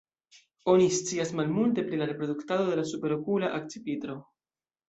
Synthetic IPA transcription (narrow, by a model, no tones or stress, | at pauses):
o̞nist͡siasmalmult̬e̞pɾilaɾe̞pɾo̞d̪uktado̞de̞lasupe̞ɾokulaʔak̚t͡sipit̪ɾo̞